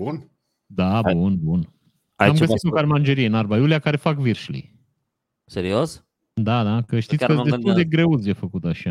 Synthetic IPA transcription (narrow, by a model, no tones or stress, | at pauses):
bun | d̪abunbun | aamɡəsit̪okaɾmand͡ʒeɾieɨnarbajulijakaɾefakviɾʃlḭ | seɾios | d̪ad̪akəʃt̪it̪kəe̞st̪uld̪e̞ɡɾe̞ut̪sjefəkut̪aʃa